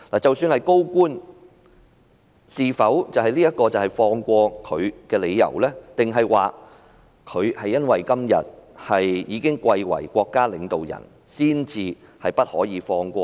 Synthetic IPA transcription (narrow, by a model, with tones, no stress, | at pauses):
laː˨˩t͡sɐ˨wsyː˧nhɐ˨jko˥wkʷuː˥n | siː˨fɐ˨˥wt͡sɐ˨˩whɐ˨jliː˥jɐ˥t̚kːɔː˧t͡sɐ˨whɐ˨jfɔː˧ŋkʷɔː˧kʰɵ˨˧ɥkɛː˧le˨˧jːɐ̰˨˩wlɛː˥t̪ɪ˨ŋɦɐ˨jwaː˨ | kʰɵ˨˧ɥhɐ˨jːɐ˥nwɐ˨jkɐ˥mjɐ̰˨t̚hɐ˨jjiː˨˧kɪ˥ŋkʷɐ˧jwɐ̰˨˩jkʷɔː˧kːaː˥lɪ˨˧ŋt̪o˨wjɐ̰˨˩n | siː˥nt͡siː˧hɐ˨jpɐ˥t̚hɔː˨˥jiː˨˧fɔː˧ŋkʷɔː˧